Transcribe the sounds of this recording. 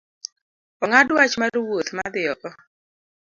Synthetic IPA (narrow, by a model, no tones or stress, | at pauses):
ɔŋadwat͡ʃmaɾwot̪mad̪ɪɔʔɔ